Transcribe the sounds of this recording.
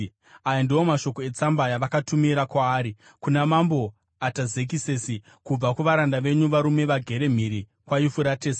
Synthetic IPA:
ajandio̞maʃo̞ko̞e̞t͡sambajaʋakatumiɾakwaːɾi | kunamambo̞ | ataze̞k̬isesi | kub͡vakuʋaɾandaʋe̞ɲuʋaɾume̞ʋaɡʱe̞ɾe̞m̤iɾi | kwajifuɾateːsa

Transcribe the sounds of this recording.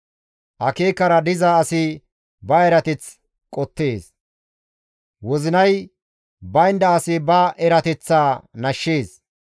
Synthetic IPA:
ʔɐkeːkɐɾɐd̪ɪzaːsɪ | bɐɛɾɐt̪ɛt͡s | kʼɔt̪ːe̞ːs | wɔzɪnɐj | bɐɪnd̪ɐːsɪbɐʔɛɾɐt̪ɛt͡sːaːnɐʃːeːs

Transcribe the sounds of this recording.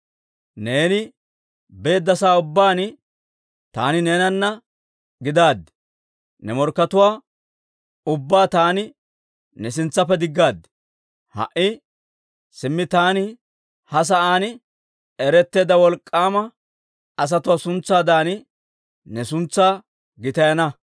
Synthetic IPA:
ne̞ːnɪ | be̞ːd̪ːɐsaːʊbːaːnɪ | t̪a̰ːnɪne̞ːnɐnːɐ | ɡɪd̪aːd̪ːɛ̥ | nɛmɔɾkːɐt̪ʊwaː | ʊbːaːt̪aːnɪ | nɛsɪnt͡sːɐpːɛd̪ɪɡːaːd̪ːɛ̥ | hɐ̰ʔɪ | sɪmːɪt̪aːnɪ | hɐs̬ɐʔaːnɪ | ɛɾɛt̪ːe̞ːd̪ɐwɔlkʼːaːmɐ | ɐs̬ɐt̪ʊwaːsʊnt͡sːaːd̪aːnɪ | nɛsʊnt͡sːaː | ɡɪt̪ɐjɐnɐ

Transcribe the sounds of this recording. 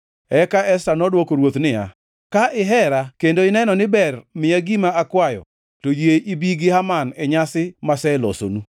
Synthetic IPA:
ɛkaʔɛstanɔdwokoɾwot̪nɪja̰ | kaʔɪɦɛɾakendoɪnɛnɔnɪbɛrmɪaɡimaakwajɔ̰ | tojeibiɡɪɦamanɛɲasɪmasɛlo̰so̰nu

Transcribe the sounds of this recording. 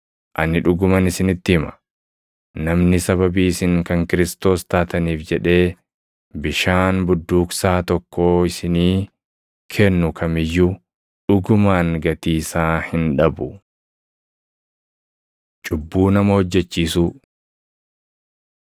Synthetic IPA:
ʔɐnːɪᶑʊɡʊmɐnɪsɪnɪt̪ːɪhɪmɐ̥ | nɐmnɪsɐβɐbiːɪsɪŋkɐŋkɪɾɪst̪o̞ːst̪aːt̪ɐniːfd͡ʒɛᶑe̞ː | bɪʃaːnbʊd̪ːuːksaːt̪ɔkːo̞ːɪsɪniː | kʰɛnːʊkʰɐmɪjːu | ᶑʊɡʊmaːŋɡɐt̪iːsaːhɪnᶑɐbʊ | t͡ʃʼʊbːuːnɐmɐhɔd͡ʒːɛt͡ʃːiːsuː

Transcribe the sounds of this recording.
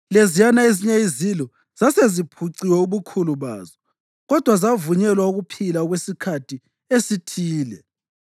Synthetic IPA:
lezijanaeziɲaizilɔ | z̥asezipʰuǀiwɛuβukʰuluβa̰ːzɔ | ɣɔd̥ʱwazavuɲɛlwauɣupʰilauɣwesikʰatʰi | esitʰiːlɛ

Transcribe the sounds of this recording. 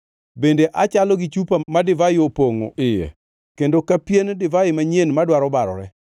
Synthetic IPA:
bendeʔat͡ʃalɔɡɪt͡ʃupamadɪvaɪopoŋo̰ʔɪjḛ | kendokapjendɪvaɪmaɲenmadwaɾɔbaɾɔ̰ɾɛ

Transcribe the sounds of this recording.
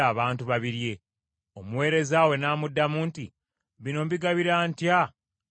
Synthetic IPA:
aːβaːntuβaβiɾje̞ | omuwe̞ːɾe̞zaːwe̞naːmudːamuːnti | βino̞mβiɡaβiɾaːntja

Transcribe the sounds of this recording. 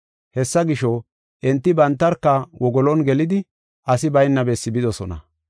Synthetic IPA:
hɛsːɐɡɪʃɔ | ʔɛnt̪ːɪbɐnt̪ːɐɾkːɐwɔɡɔlɔnɡɛlɪd̪ɪ | ʔɐsɪbɐjnːɐbɛsːɪbɪd̪ɔsɔnɐ̰

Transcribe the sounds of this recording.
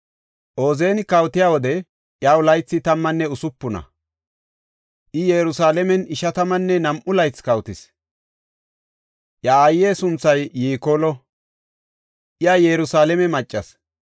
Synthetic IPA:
ʔoːzeːnɪkɐwt̪ɪjaːwɔd̪ɛ | ʔjaːwlɐjt͡sːɪt̪ɐmːɐnːɛʊsʊpːʊnɐ̰ | ʔɪjɛːɾʊsaːlɛmɛnɪʃɐt̪ɐmɐnːɛnɐmʔʊlɐjt͡skɐwt̪ɪs | ʔjaajeːsʊnt͡sːɐjːiːkoːlɔ | ʔjaːjɛɾʊsaːlɛmɛmɐt͡ʃʼːɐs

